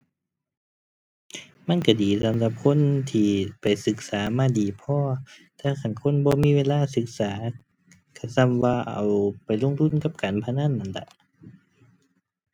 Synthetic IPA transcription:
ma˧˥˨nka˧˩diː˨˩sa˨˦mɾa˧˦p̚kʰo˧˥˨nt̪ʰiː˧˩pa˨jsɯ˨˧˦k̚saː˨˦maː˧˥˨diː˨˦pʰɔː˧t̪ʰaː˧˩kʰa˧˩˨nkʰo˧˥˨nbɔː˧˦miː˧˥˨weː˧˨laː˧˥˨sɯ˧˦k̚saː˨˦ | kʰa˧˩sa˧˩˨mwaː˧˩ʔa̰˨˩wpa˨˩jlo˧˨ŋt̪ʰu˧˥˨nka˧˦p̚kaː˨npʰa˧naː˧˥˨nːa˧˨nda̰˧

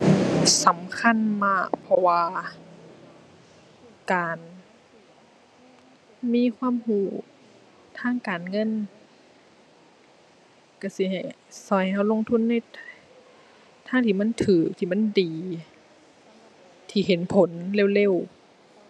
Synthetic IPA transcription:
sa˨˦mkʰa˧˥˨nmaː˧˥˩ʔpʰɔ˧waː˧ | kaː˨˩n | miː˧˥˨kʰwaː˧˥˨mhuː˧˩ | t̪ʰaː˧˥˨ŋkaː˨nŋɤ˧˥˨n | ka˧˩si˧˦ha˨˩j | sɔ˧˨˩jha˧˩˨wlo˧˥˨ŋt̪ʰu˧˥˨nːa˧˥˨j | t̪ʰaː˧˥˨ŋt̪ʰiː˧˩ma˧˥˨nt̪ʰɯː˨˩˦k̚t̪ʰiː˧˨ma˧˥˨ndiː˨˩ | t̪ʰiː˧˩ɦe˨˦npʰo˨˦nle˧˥˨wle˧˥˨w

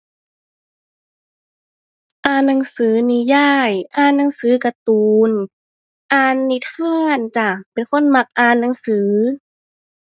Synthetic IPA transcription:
ʔaː˧nːa˧˦ŋsɯː˨˦ni˧jaː˥˩jʔaː˧˩nːa˧˦ŋsɯː˨˦ka˧t̪uː˨˧n | ʔaː˧nːi˧t̪ʰaː˧˥˩nt͡ɕa˧˩pe˨nkʰo˧˥˨nma˧˩k̚ʔaː˧nːa˨˧˦ŋsɯː˩˦

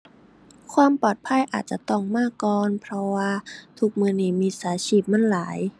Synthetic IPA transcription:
kʰwaː˧mpɔː˨˩t̪̚pʰa˧˥˨jʔa̰ː˨˩t̪̚t͡ɕa˨˧˩t̪ɔ˧˩ŋmaː˧˥˩kɔː˧npʰɾɔ˧waː˧t̪ʰu˧k̚mɯː˧niː˧˩miː˧˥saː˨˩˦t͡ɕʰiː˧˩p̚ma˧˥˨nlaː˩˦j

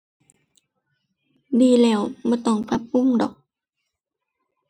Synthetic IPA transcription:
diː˧˩lɛː˧˩wbɔː˧˩˦t̪ɔ˧˩ŋpʰa˧p̚ːu˧˥˨ŋdɔ̰˨˩k̚

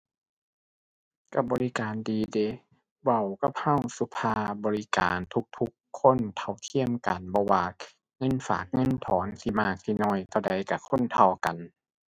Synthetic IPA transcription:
ka˧˩bɔː˨˧li˦˧kaː˨ndiː˨de˧˦ | wa˧˩wka˧˩pha˧˥˨wsu˧˦pʰaː˧˩bɔː˨˧li˧ka̰ː˨nt̪ʰu˧˥k̚t̪ʰu˧˦kʰːo˧˥˨nt̪ʰa˧˩wt̪ʰi˧˥˨əmka˨˩nbɔː˧˦waː˧ | ŋɤ˧˥˨nfa̰ː˨˩k̚ŋɤ˧˥˨nt̪ʰɔː˨˦nsi˧˩maː˧˩k̚si˧˩nɔː˧˥˩jt̪ʰɔ˧˩da˨˦jka˧˩kʰo˧˥˨nt̪ʰa˧wka˨n

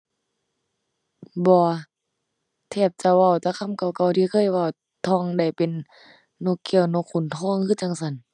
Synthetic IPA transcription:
bɔː˧˦ | t̪ʰɛː˧˩p̚t͡ɕa˧wa˧˩wt̪a˧˦kʰa˧˥˨mka˧˩wka˧˩wt̪ʰi˧˦kʰɤː˧˥˨jwa˧˨w | t̪ʰɔː˧˥˨ŋda˧˩jpe˨nː | o˧kːi˧˨wno˧kʰːu˧˩˨nt̪ʰɔː˧˥˨ŋhʰɯː˧˥˨t͡ɕa˧˨ŋsa˧˩˨n

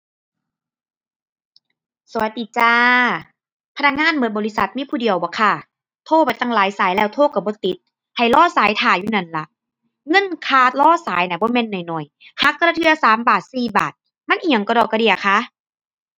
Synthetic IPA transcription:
su˨˦jt̪ʰi˧˩t͡ɕaː˧ | pʰa˧nʰa˧k̚ŋaː˧˥˨nbɤː˧˦t̪̚bɔː˨li˧˥sa˨˦t̪̚miː˧˥˨pʰuː˧˩di˨əwbɔː˨˦kʰa˧˩ | t̪ʰoː˧˩pa˨˩jt̪a˧˩ŋlaː˨˦jsaː˨˦jlɛː˧˩wt̪ʰoː˧˥˨ka˧˩bɔː˧˦t̪i˨˦t̪̚ | ha˨˩jlɔː˧˥˨saː˨˦jt̪ʰaː˨˩juː˧˨na˧˩nla˧˦ʔ | ŋɤ˧˥˨nkʰaː˧˩t̪̚lɔː˧˥˨saː˨˦jna˧˨˩bɔː˧˦mɛ˧˥˨nːɔ˨˩jnɔ˨˩j | ha˧˦kːa˧la˧t̪ʰɯ˧˩ɐsaː˨˦mbaː˨˩t̪̚siː˨˩ba̰ː˨˩t̪̚ | ma˧˥˨nʔi˧˩a˨ŋkɔ˧dɔː˧˨˩kːa˧di˧˩ɐ˨˩kʰa˧˥˨

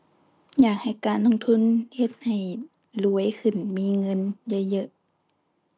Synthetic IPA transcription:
jaː˨˩k̚ha˨˩jkaː˧˦nlo˧˨ŋt̪ʰu˧˥˨nhe˧˩t̪̚ha˨˩j | lu˧˦əjkʰɯ˨˧˩nmiː˧˥˨ŋɤ˧˥˨nja˧jɤ˧ʔ

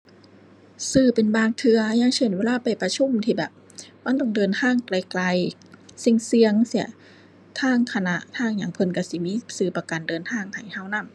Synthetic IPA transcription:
sɯː˧˩pe˨nbaː˧ŋt̪ʰɯ˧ɐɲa˧˥˨ŋt͡ɕʰɤː˧˩˨nweː˧˥˧laː˧˥˨pa˨˩jpa˧t͡ɕʰu˧˥˨mt̪ʰiː˧˩bɛː˨˩p̚ | ma˧˥˨nt̪ɔ˧˩ŋdɤː˨˩nt̪ʰaː˧˥˨ŋkla˧jkla˧j | si˧˩ŋsi˧əŋsi˧˩ɐ | t̪ʰaː˧˥˩ŋkʰa˧na˧ʔt̪ʰaː˧˩˨ŋɲa˨˩˦ŋpʰɤ˧˨nka˧˩si˧˦miː˧˥˨sɯː˧˩pa˧ka˨ndɤː˨˩nt̪ʰaː˧˩˨ŋhʰa˨˩jha˧˩˨wna˧˥˩m

